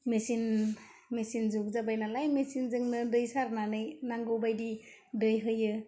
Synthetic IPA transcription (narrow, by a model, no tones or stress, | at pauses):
mesin | mesinzuk̚zabajnalajmesinzɯŋnɯdɯjsaɾnanɯjnaŋɡɯwbajdi | dɯjɦɯjɯ